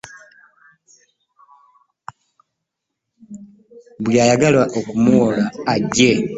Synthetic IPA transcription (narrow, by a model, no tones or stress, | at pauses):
bwjaːjaɡalwaʔokumoːlaːɟːe